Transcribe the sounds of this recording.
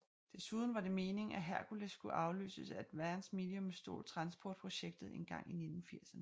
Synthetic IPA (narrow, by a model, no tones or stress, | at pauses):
d̥e̝suð̞ˠn̩ʋɑ̈ɾe̝me̝ːne̝ŋæɦæɐkulesɡ̥uʔɑ̈ʊly̰ːsəsæd̥ʋæɐnsme̝liɔmsd̥o̝̰ːlt͡sʰʁɑ̈nsb̥ʰɒːd̥̚pʰʁo̝ɕeɡ̥̚d̥ð̩ˠe̝nɡ̥ɑ̈ŋ̰ine̝d̥n̩fiɐ̰sɐnə